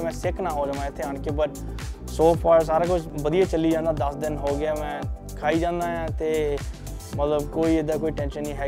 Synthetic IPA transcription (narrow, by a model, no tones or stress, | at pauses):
mɛ̃ːsɪkʰnãːɦoːd͡ʒãːãːɪt̪ʰːeːaːɳkeːbəʈ | soːpʰaːɾs̬aːɾaːkʊt͡ʃʰbəd̪ijaːt͡ʃəlːiːd͡ʒãːnd̪aːd̪əsd̪ɪnɦoːɡɪaːmɛ̃ː | kʰaːiːd͡ʒãːnd̪aːjãːt̪eː | mət̪ləbkoːiːɪd̪aːkoːiːʈɛ̃ːnʃənːĩːɦɛː